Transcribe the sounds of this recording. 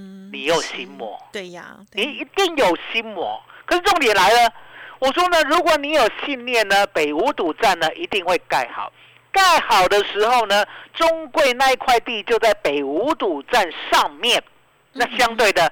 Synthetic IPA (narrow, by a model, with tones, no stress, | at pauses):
ni˨˩jo˨˩ʊɕi˦˥nmwɔ̰˧˥˦ | ni˨˩i˧˦t̪i˥˩ŋjo˨˩ʊɕi˦˥nmwɔ̰˨˩˦kʰə˨˩ʂɻ̩˥˧ʈ͡ʂʊ˥˨ŋt̪jɛ˨˩nla˧˦ɪlə˧wɔ˨˩ʂ̬wɔ˦˥nə˨ɻu˧˥kwɔ˨˦ni˧˥jo˨˩ʊɕi˥˧nljɛ˥˨nːə˩pe˨˩ɪu˧˥˦t̪u˨˩t͡sa˥˨nːə˨ʔi˧˥t̪i˥˧ŋxwe˥˧ɪka˥˩ɪxɑ̰˨˩˦ʊ | ka˥˩ɪxɑ˨˩ʊd̪ə˧ʂɻ̩˧˥xo˥˩˧ʊnə˨ʈ͡ʂʊ˦ŋkwe˥˧ɪna˥˧i˥˧kʰwa˥˧ɪt̪i˥˧˨t͡ɕjo˥˧ʊt͡sa˥˩ɪpe˨˩ɪu˨˧˥t̪u˨˩ʈ͡ʂa˥˧nʂɑ˥˧ŋmjɛ˥˨n | na˥˨˩ɕjɑ˦ŋt̪we˥˩ɪd̪ə˩